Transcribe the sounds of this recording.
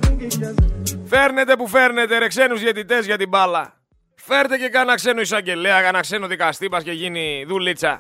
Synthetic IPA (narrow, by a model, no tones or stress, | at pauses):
fe̞ɾne̞t̪e̞pufe̞ɾne̞t̪eɾekse̞nuzðjet̪it̪e̞zʝɐt̪ibɐlːɐ̰ | fe̞ɾt̪e̞ce̞kɐnɐkse̞nuisɐɲɟe̞leɐkɐnɐkse̞nuðikɐst̪ipɐsce̞ʝiniðulːit͡sɐ̰